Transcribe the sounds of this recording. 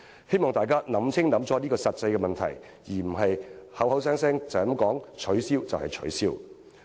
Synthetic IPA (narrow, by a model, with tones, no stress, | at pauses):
he˥jmɔː˨ŋt̪aː˨jkaː˥nɐ˨˥mt͡sʰɪ˥ŋnɐ˨˥mt͡sɔː˨˥niː˥kɔː˧sɐ˨t̚t͡sɐ˧jkɛ˧mɐ˨nt̪ʰɐ̰˨˩j | jiː˨˩m̩˨˩ɦɐ˨jhɐ˨˥wɦɐ˨˥ws̬ɛː˥ŋsɛː˥ŋt͡sɐ˨ɐ˨˥mkɔː˨˥ŋt͡ʃʰɵ˨˥ɥsiː˥wt͡sɐ˨whɐ˨jt͡ʃʰɵ̰˨˥siː˥w